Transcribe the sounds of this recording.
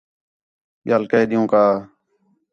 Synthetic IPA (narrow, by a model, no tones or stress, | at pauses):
ɓɪjaːlkəːɗɪjũːkaː